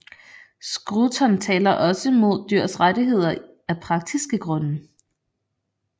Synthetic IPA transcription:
sɡ̥ʁut͡sʰɒnt͡sʰɛ̰ːlɐʔɒ̽səmo̝ð̞̰ˠd̥yɐ̰sʁadiɦe̝ð̞̰ˠɐ | æpʰʁɑ̈ɡ̥̚d̥isɡ̥əɡ̥ʁɔ̽nə

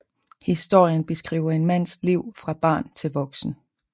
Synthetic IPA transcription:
hisd̥o̝̰ɐ̰jənb̥e̝sɡ̥ʁḭːʊɐe̝nmæn̰sd̥liʊ̰fʁɑ̈b̥ɑ̈ːnt͡sʰe̝lʋɒ̽ɡ̥sn̩

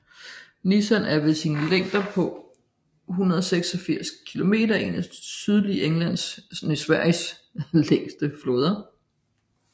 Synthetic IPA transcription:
nisænæɐʋe̝sinəleŋ̰d̥ɐpʰɒ̽ | ɦunɐðˠseɡ̥sɒ̽fiɐ̰skʰilo̝me̝̰ːd̥ɐʔe̝nəsd̥syð̞ˠliʔeŋlæn̰snesʋæɐ̰jsleŋsd̥əfloːð̞ˠɐ

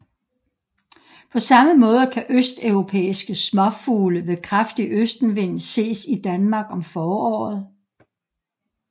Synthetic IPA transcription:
pʰɒ̽sɑ̈məmɔ̽ːð̞ˠəkʰæʔøsd̥œʊʁo̝pʰḛːisɡ̥əsmɒ̽fuːləʋekʰʁafd̥iʔøsd̥n̩ʋe̝n̰se̝̰ːsid̥ænmɑ̈ːɡ̥ɒ̽mfɒːɒ̰ːð̞̩ˠ

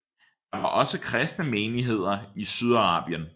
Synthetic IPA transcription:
d̥ɑ̈ʋɑ̈ʔɒ̽səkʰʁɛsd̥nəmeːniɦe̝ð̞̰ˠɐisyð̞ˠɑʁɑ̰̈ːb̥jən

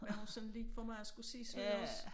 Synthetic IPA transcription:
ʋæhusɔnliːfɒmɑ̈ɪɒsɡ̥usḭːsɒnɒs

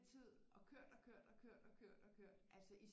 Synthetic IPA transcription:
t͡sʰið̰ˠ | ɒ̽kʰøɐ̰d̥ɒ̽kʰøɐ̰d̥ɒ̽kʰøɐ̰d̥ɒ̽kʰøɐ̰d̥ɒ̽kʰøɐ̰d̥ʔælsəʔi

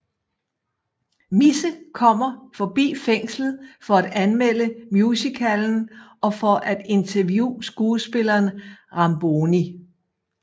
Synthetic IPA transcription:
misəkʰɒ̽m̰ɐfɒ̽b̥ḭːfeŋ̰slð̩ˠfɒ̽æd̥ænmel̰əmjusikʰæln̩ʔɒ̽fɒ̽ʔæd̥e̝nt͡sʰɐʋjṵːsɡ̥uːsb̥e̝lɐːnʁɑ̈mb̥oːni

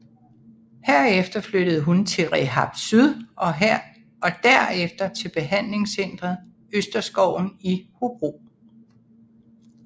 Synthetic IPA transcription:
hæɐ̰efd̥ɐflød̥əð̞̩ˠɦunt͡sʰe̝lʁɛɦɑ̈b̥syðˠʔɒ̽ɦæɐ̰ | ɒ̽d̥æɐ̰efd̥ɐt͡sʰe̝lb̥e̝ɦæn̰le̝ŋsen̰d̥ʁɐðˠ | øsd̥ɐsɡ̥ɒʊ̰n̩ihob̥ʁo̝̰

